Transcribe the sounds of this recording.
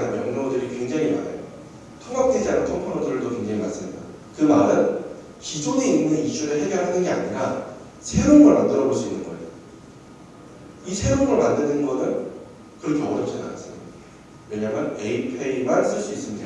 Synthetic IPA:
nɯnmjʌŋnodɯɾikweŋd͡ʑaŋima̰ɾḛjo | tʰoŋap̚t͈ed͡ʑianɯnpʰʌŋpʰonotʰɯɾɯɭdokwe̞ŋd͡ʑaŋimans͈ɯmɲida̰ | kɯmaɾɯn | kid͡ʑoɡeinːɯniɕ͈uɾɯɭɦe̞ɡjʌɾɦanɯnɡe̞a̰ɲiɾa | sʰe̞ɾonɡʌɭmandɯɾʌboɭs͈uinːɯnɡʌḛjo | isʰe̞ɾoŋɡʌɭmandɯnɯnɡʌnɯn | kɯɾʌkʰeʌdʌp̚t͡ɕʰina̰nas͈ɯmɲiiddaa | we̞ɲamjʌneipʰeimaɭs͈ɯɭs͈uis͈ɯmɲida

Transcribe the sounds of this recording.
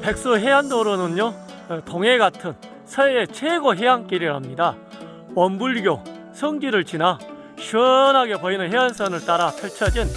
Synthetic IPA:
pe̞k̚s͈ɯɦeɦandoɾonɯnjo | toŋe̞ɡatʰɯn | sʰʌeet͡ɕʰeɡoɦeɦank͈iɾiɭɦamɲida | wʌmbuɭɡjo | sʰʌŋɡiɾɯɭt͡ɕina | ɕʰiʌnɦaɡepʌinɯnɦeɦansʰʌnɯɭt͈aɾapʰjʌɭt͡ɕʰʌd͡ʑin

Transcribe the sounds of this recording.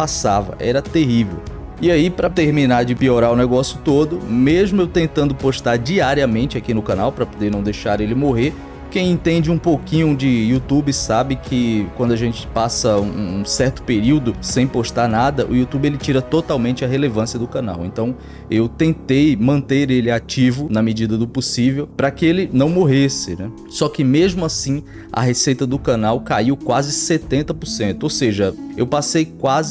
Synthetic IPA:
pasavɐ̰ʔɛ̰ɾɐt̪eɦivḛw | iaipɾɐt̪eɾminaɾd͡ʒɪpioɾaʊnɛɡɔsjʊt̪od̪ʊmeʒmʊewt̪ẽnt̪ɐ̃nd̪ʊpoʃt̪aɾd͡ʒiaɾiɐmẽnt͡ʃɪakinʊkɐ̃nawpɾɐpod̪eɾnɐ̃w̃d̪ejʃaɾelɪmoɦeɾ | kẽj̃ẽnt̪ẽnd͡ʒɪũpokĩɲʊd͡ʒɪut̪ubɪsabɪkʰɪkwɐ̃nd̪ʊaʒẽnt͡ʃɪ̥pasɐũũsɛɾt̪ʊ̥peɾiwd̪ʊsẽj̃poʃt̪aɾnad̪ɐʔʊ̰ut̪ubɪelɪt͡ʃiɾɐt̪ot̪awmẽnt͡ʃɪɐɦelevɐ̃siɐd̪ʊkɐ̃na̰wḛ̃nt̪ɐ̃w̃ | ewt̪ẽnt̪ejmɐ̃nt̪eɾelɪat͡ʃivʊnɐmɪd͡ʒid̪ɐd̪ʊposivewpɾɐkɪelɪnɐ̃w̃moɦesɪnɛ | sɔkɪmeʒmʊasĩ | ɐ̰ɦesejt̪ɐd̪ʊkɐ̃nawkaiwkwazɪset̪ẽnt̪ɐpoɾsẽnt̪ʊowseʒɐewpasejkwazɪ

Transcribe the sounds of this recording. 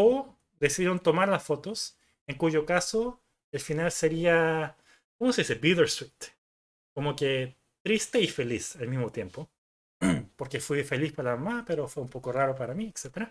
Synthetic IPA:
o | d̪e̞siðjeɾont̪o̞maɾlasfo̞t̪o̞s | eŋkuʝo̞kaso | elfinalse̞ɾia | komoseðisebiðeɾswit̪ | ko̞moke | t̪ɾist̪e̞ife̞lisalmizmot̪je̞mpo | po̞ɾke̞fwife̞lispaɾalamamape̞ɾo̞fweumpo̞ko̞raɾo̞paɾamiekset̪eɾa

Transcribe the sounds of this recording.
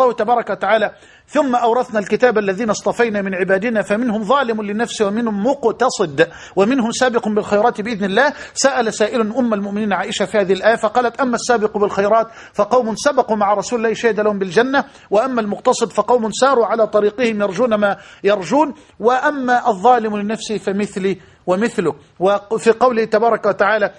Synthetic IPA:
lɑːht̪abɑːɾˤɑkawat̪aʕaːla | θʊmːaʔɑwɾˤɑθnalkɪt̪aːbʔalːaðiːnɑsˤt̪ˤɑfɑjnaːmɪnʕɪbaːd̪ɪnafamɪnhʊmðˤɑːlɪmʊlɪnafsɪwamɪnhʊmːʊqt̪ɑsˤɨd̪ | wɪmɪnɦʊmsaːbɪqʊmbɪlxɑjɾˤɑːt̪bɪʔɪðnɪlːaːhsaʔalasaːʔɪlʊnʔʊmːalmʊʔmɪniːnʕaːʔɪʃafiːhaːðɪhɪlʔaːjafɑqɑːlat̪ʔamːasːaːbɪqbɪlxɑjɾˤɑːt̪ | fɑqɑwmʊnsabɑqumaʕaɾˤɑsuːlɪlːaːhʃaːhɪd̪alahʊmbɪld͡ʒanːa | wɪʔamːalmʊqt̪ɑsˤɨd̪fɑqɑwmʊnsɑːɾˤuʕalaːt̪ˤɑɾiːqɪhɪmjɑɾˤd͡ʒuːnamajɑɾˤd͡ʒuːn | wɪʔamːaʔɑðˤːɑːlɪmlɪnafsɪfamɪθliː | wɪmɪθlʊk | wɪfiqɑwlɪt̪abɑːɾˤɑkawat̪aʕaːla

